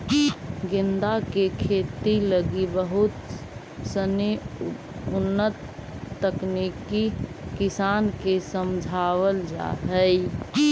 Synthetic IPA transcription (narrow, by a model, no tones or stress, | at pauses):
ɡɪnd̪akekʰet̪iləɡibəɦut̪ | səne | ʊnːət̪ː | əknikikisankesəmd͡ʒʱawəld͡ʒa̰ɦəj